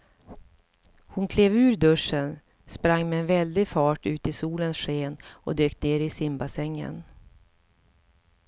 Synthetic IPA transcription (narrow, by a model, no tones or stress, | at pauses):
hʊnkʰleːvʉ̟ːɾd̪ɵʂən | spɾaŋːmɛɛnvɛld̪ɪfɑːʈʉ̟ːt̪ɪsuːlənsɧeːnɔ̰d̪øːk̚t̪neːɾɪsɪmbasɛŋːə̰n